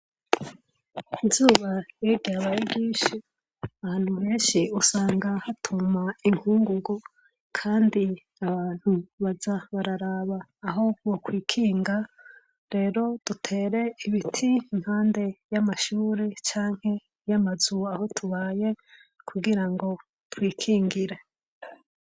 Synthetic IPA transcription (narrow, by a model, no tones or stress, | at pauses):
inzuːβajeɡɟaβajiɡiːʃi | aaːn̥huβeːnʃiusaːŋɡahatʰumaiŋhuːŋɡuɡu | kʰaːndi | aβaːn̥huβazaβaɾaɾaβaːɦo̞wokwiːkʰiːŋɡa | ɾe̞ːɾo̞d̥utʰe̞ːɾe̞iβitʰiːm̥haːnde̞jamaʃuːɾe̞t͡ʃaːŋ̥he̞ | jamazuaho̞tʰuβaːje̞ | kʰuɡiɾaŋɡo̞ | twiːkʰiːŋɡiɾe